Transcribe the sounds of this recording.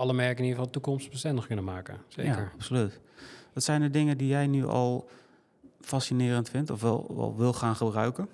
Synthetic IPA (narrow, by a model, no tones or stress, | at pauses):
ɑləmɛɹkənifɑlˠdətukɔmst̚b̥əstɛndəχkɵnəmaːkə̰sḛːjakəɹɑpsolyt | ʋɑtsɛjndədɪŋəndijɛjnyʔɔ̰lˠ | fasinɪːrəntfɪntɔfʋɛ̰lˠʋɛ̰lˠʋɪlˠχaːnχəbrœɥkən